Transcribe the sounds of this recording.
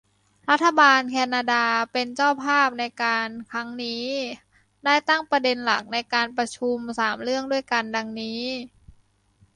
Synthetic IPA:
ɾa˦˥t̪ʰːa˧baː˧nkʰɛː˧naː˧daː˧pe˧nt͡ɕaː˥˩wpʰaː˥˩p̚na˧jkaː˧nkʰɾa˦˥ŋniː˦˥ | daː˥˩jt̪a˥˩ŋpɾa˧de˧nla˨˩k̚na˧jkaː˧npɾa˧t͡ɕʰu˧msaː˩˦mɾɯ˥˩əŋdu˥˩əjka˧nda˧ŋniː˦˥

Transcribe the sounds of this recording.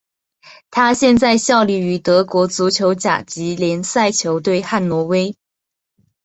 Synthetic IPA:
t̪ʰa˥ɕjɛ˥˧nt͡sa˥˧ɪɕjɑ˥˧ʊli˥˩y˧˥t̪ɤ˧˥kwɔ˧˥t͡su˧˥t͡ɕʰjo˧˥ʊt͡ɕja̰˨˩t͡ɕi˧˥ljɛ˧˥nsa˥˩ɪt͡ɕʰjo˧˥ʊt̪̬we˥˧ɪxa˥˩nlwɔ˧˥we˥ɪ

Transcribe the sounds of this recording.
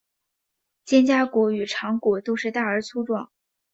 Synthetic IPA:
t͡ɕjɛ˥nt͡ɕja˥kwɔ˧˥y˨˩ʈ͡ʂʰɑ˧˥ŋkwɔ˨˩t̪o˥ʊʂɻ̩˥˧t̪a˥˩ə˞˧˥t͡sʰu˥ʈ͡ʂwɑ̰˨˩˦ŋ

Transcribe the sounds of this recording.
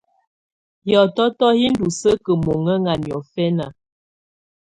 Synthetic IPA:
jɔ˨tɔ˦tɔ˦hi˦n̩˦du˨sə˦kə˨mo˨ŋə˦ŋa˨njɔ˨fɛ˦na˨

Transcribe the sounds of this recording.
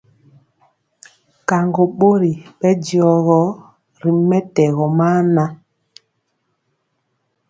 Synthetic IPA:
ka˨ŋɡo˨ɓo˦ɾi˨ɓɛ˦d͡ʒjɔ˨ɣɔ˨˦ | ɾi˨mɛ˦tɛ˨ɣɔ˨maː˦na˦

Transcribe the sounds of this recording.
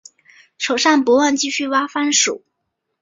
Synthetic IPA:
ʈ͡ʂʰo˨˩ʊʂa˥˩npu˧˥wa˥˧nt͡ɕi˥˧ɕy˥˩wa˥fa˥nʂṵ˨˩˦

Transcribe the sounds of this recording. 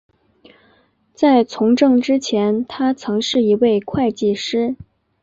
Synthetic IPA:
t͡sa˥˩ɪt͡sʰʊ˧˥ŋʈ͡ʂɤ˥˧ŋʈ͡ʂɻ̩˥t͡ɕʰjɛ˧˥nt̪ʰa˥t͡sʰɤ˧˥ŋʂɻ̩˥˩i˧˥we˥˩ɪkʰwa˥˧ɪt͡ɕi˥˩ʂɻ̩˥

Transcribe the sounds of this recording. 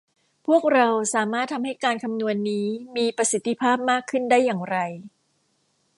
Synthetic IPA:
pʰu˥˩ək̚ɾa˧wsaː˩˦maː˥˩t̪ʰːa˧mha˥˩jkaː˧nkʰa˧mnu˧ənːiː˦˥miː˧pɾa˧si˨˦t̪ʰːi˧˥pʰaː˥˩p̚maː˥˩kʰːɯ˥˩ndaː˥˩jːaː˨˩ŋɾa˧j

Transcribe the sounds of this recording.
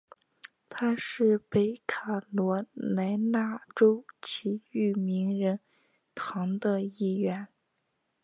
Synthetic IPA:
t̪ʰa˥ʂɻ̩˥˩pe˧˥ɪkʰa˨˩lwɔ˧˥na˧˥ɪna˥˩ʈ͡ʂo˥ʊt͡ɕʰi˧˥y˥˩mi˧˥ŋɻə˧˥n | t̪ʰɑ˧˥ŋd̪ə˧i˥˩ɥɛ˧˥n

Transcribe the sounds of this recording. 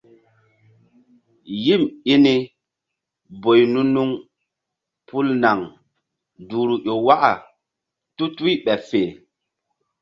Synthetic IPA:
ji˦˨mi˦ni˦ | bo˨jnu˦nu˦ŋ | pʰu˦lna˨ŋ | du˨ɾu˨ʔo˨wa˦ʔa̰˨ | tu˦tu˦i˦ɓɛ˨fe˨

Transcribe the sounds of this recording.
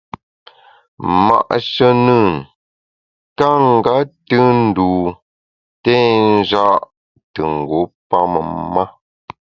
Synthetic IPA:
ma̰˨ʔʃə˦nɨ˦˨n | ka˦ŋ̩˨ɡa˦tɨ˦n̩˦˨duː˨ | tɛ˦n˦d͡ʒa˦ʔ | tə˨ŋ̩˨ɡo˨˦pa˦mə̰˨ma˦

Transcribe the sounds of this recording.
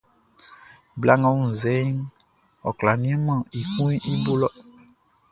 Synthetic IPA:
bla˦ŋã˦wu˦n̩˨zɛ˨˦ŋ | ɔ˨kla˨nĩ˦ɛ̃˦mã˦˨i˨kũ˦i˦bo˦lɔ˦

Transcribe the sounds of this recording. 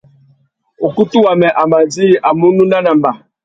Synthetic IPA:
o˨ku˦tu˦wa˨mɛ˨ʔa˨ma˨di˦˨ʔa˨mu˦nu˦na˦na˨m̩˨ba˨

